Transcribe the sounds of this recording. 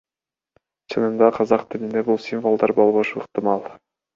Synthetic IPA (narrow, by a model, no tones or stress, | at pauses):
t͡ʃʰɯnɯnd̪ɑqʰɑzɑqt̪ʰɪlind̪e̞bulˠsʲinvo̞lˠd̪ɑɾbolˠβoʃuɯqt̪ɪmɑlˠ